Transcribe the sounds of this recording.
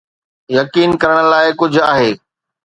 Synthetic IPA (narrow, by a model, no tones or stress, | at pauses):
jɐkiːnkɐɾəɽ̃̆laːɪkʊd͡ʑʱaːɦeː